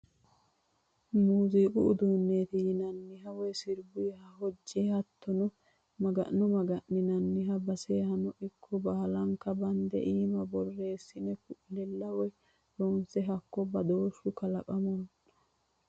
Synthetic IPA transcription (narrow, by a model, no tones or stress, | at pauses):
muːzikʼʊ̰ʊd̪uːnːe̞ːt̪ɪjɪnɐnːɪɦɐwɔjsɪɾbʊjɐhɐhɔd͡ʒːeːhɐt̪ːɔnɔ | mɐɡɐ̰nːɔmɐɡɐʔːɪnɐnːɪɦɐbɐseːhɐnɔʔɪkʰːɔbɐhɐlɐŋkːɐbɐnd̪ɛ̰ʔiːmɐbɔrːe̞ːsːɪnɛkʊʔlɛlːɐwɔj | ɾonsɛɦɐkːɔbɐd̪oːʃʊkɐlɐkʼɐmɔn